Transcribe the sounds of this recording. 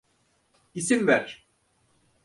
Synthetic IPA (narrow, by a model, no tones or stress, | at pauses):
isimvæɾ̥